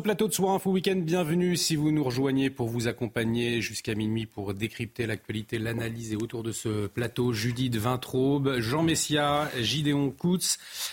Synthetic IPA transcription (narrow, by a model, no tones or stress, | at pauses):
əplat̪od̪əswaʁɛ̃fowikʲɛ̃nd̪bjɛ̃vnysivunuʁəʒwaɲepuʁvuzakɔ̃paɲeʒyskʲaminɥipuʁd̪ekχip̚t̪elak̚t̪ɥalit̪elanalizeot̪uʁd̪əsəplat̪oʒyd̪it̪vɛ̃t̪χobʒɑ̃mesjaʒid̪eɔ̃kut̪s